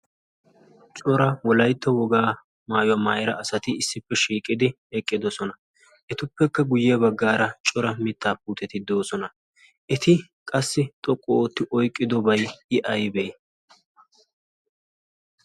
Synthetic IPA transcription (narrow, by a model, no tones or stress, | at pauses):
t͡ʃʼɔɾɐwɔlɐjt̪ːɔwɔɡaː | maːjɐmaːjɛɾɐɐsɐt̪ɪɪsːɪpːɛʃiːkʼɪd̪ɪ | ɛkʼːɪd̪ɔsɔnɐ | ʔɛt̪ʊpːɛkːɐɡʊjːɛbɐɡːaːɾɐt͡ʃʼɔɾɐmɪt̪ʰːaːpuːt̪ɛt̪ɪd̪o̞ːsɔnɐ | ʔɛt̪ɪ | kʼɐsːɪt̪ʼɔkʼːɔːt̪ːɪʔɔjkʼːɪd̪ɔbɐjɪʔɐjbɛj